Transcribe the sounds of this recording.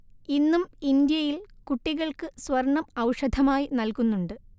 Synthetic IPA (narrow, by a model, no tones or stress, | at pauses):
inːumind̪jɐjilkuʈːiɣɐɭkɨsʋɐrɳːɐmɐwʂɐd̪ʱɐmaːjinɐlkunːuɳɖɨ